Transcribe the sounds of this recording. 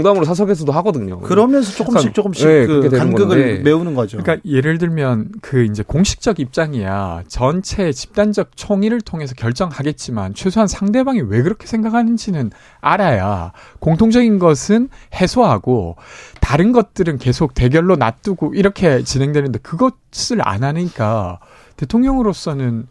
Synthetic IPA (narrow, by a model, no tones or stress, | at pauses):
ŋdamɯɾosʰas̬ʰʌɡes̬ʰʌdohaɡʌdɯɲo̰kɯɾʌmjʌns̬ʰʌt͡ɕ͈ok͈ɯmɕikt͡ɕ͈ok͈ɯmɕianɡɯɡɯmeunɯnɡʌd͡ʑoɯk͈aje̞ɾɯɭdɯɭmjʌnkɯind͡ʑe̞koŋɕʰi̥k̚t͡ɕ͈ʌɡip̚t͡ɕ͈aŋeja̰t͡ɕʌnt͡ɕʰe̞ːt͡ɕi̥p̚t͈and͡ʑʌk̚t͡ɕʰoŋiɾɯɭtʰoŋe̞s̬ʰʌkjʌɭt͡ɕ͈ʌŋhaɡe̞t̚t͡ɕ͈imant͡ɕʰwesʰoɦansʰaŋde̞baŋiwe̞ɡɯɾʌkʰesʰe̞ŋɡakʰanɯnd͡ʑinɯn | a̰ɾaja̰koŋtʰoŋd͡ʑʌɡinɡʌsʰɯnhe̞sʰoɦaɡotaɾɯnɡʌt̚t͈ɯɾɯnke̞sʰok̚te̞ɡjʌɭːonat͈ɯɡoiɾʌkʰe̞t͡ɕine̞ŋdwe̞nɯnde̞kɯɡʌ | s͈ɯɭa̰nanɯk͈a | te̞tʰoŋɲjʌŋɯɾos͈ʌnɯn